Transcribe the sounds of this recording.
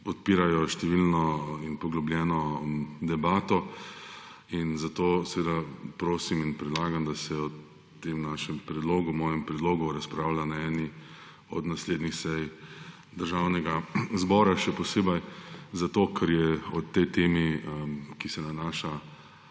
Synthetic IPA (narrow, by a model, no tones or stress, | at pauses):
pɔt̪̚piːɾajɔʃt̪ɛʋilnɔinpɔɡlɔblʲjɛːnɔd̪ɛbaːt̪ɔ | inzat̪oːsʋeːd̪apɾoːsiminpɾɛd̪laːɡamd̪asɛɔ | t̪ːemnaʃɛmpɾɛd̪loːɡumɔːjɛmpɾɛd̪loːɡuɾaspɾaʊlanaɛni | ɔ̰d̪nasleːd̪nixsɛj | d̪əɾʒawnɛɡazbɔɾaʃɛpɔseːbɐjzat̪oːkʰɛɾjɛɔt̪ːɛjt̪eːmi | kisɛnanaːʃa